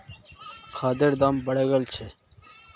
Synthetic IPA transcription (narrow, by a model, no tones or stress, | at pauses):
kʰaːd̪eɾd̪ambɐɽeɡɐlt͡ɕʰe